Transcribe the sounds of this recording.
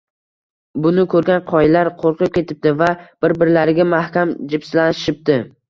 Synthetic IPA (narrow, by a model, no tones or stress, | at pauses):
bʊnɪkʰɵɾɡʲanqʰɒjlaɾqʰoɾqʰɨp̚kʲʰe̞t̪ʰɪp̚t̪ɪvab̥ɪɾbɪɾlaɾɪɡʲamahkʲamd͡ʒɪbslanɪʃɪp̚t̪ɪ